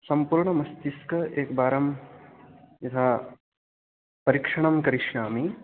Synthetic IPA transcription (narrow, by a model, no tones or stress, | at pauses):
sɐmpuːɾɳɐmɐst̪iskɐʔeːkbaːɾɐm | jɐt̪ʰaː | pɐɾikʂɐɳɐmkɐɾiʃnaːmi